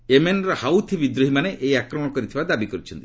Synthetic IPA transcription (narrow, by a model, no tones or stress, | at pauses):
emenɔɾɔhawt̪ʰibid̪ɾuɦimaneʔejakɾɔmɔ̃ɽ̃ɔkɔɾit̪ʰibad̪abikɔɾit͡ʃʰɔnt̪i